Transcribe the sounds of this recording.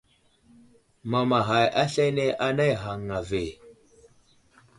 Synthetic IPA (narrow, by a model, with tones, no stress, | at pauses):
ma˨ma˨ɦa˨jʔa˦ɬe˦ne˦ʔa˦na˦jɦa˨ŋːa˨ve˨